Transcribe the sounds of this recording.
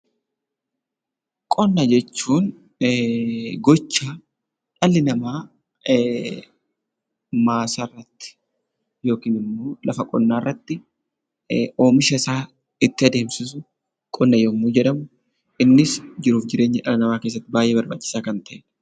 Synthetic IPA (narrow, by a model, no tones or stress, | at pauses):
kʼɔnːɐd͡ʒɛt͡ʃːuːn | ɡɔt͡ʃːaː | ᶑɐlːɪnɐmaː | maːsɐrːɐt̪ːɪ̥ | jo̞ːkiːnɪmːo̞ːlɐfɐkʼɔnːaːɪrːɐt̪ːɪ | o̞ːmɪʃɐɪsaː | ɪt̪ːɪɐd̪e̞ːmsɪsʊ | kʼɔnːɐjɔmːoːd͡ʒɛᶑɐmʊ | ʔɪnːɪsd͡ʒɪɾuːfd͡ʒɪɾe̞ːɲːɐᶑɐlɐnɐmaːke̞ːs̬ːɐt̪ːɪbaːjʔeːbɐɾba̰ːt͡ʃːɪ̥saːkɐnt̪ɐʔɛn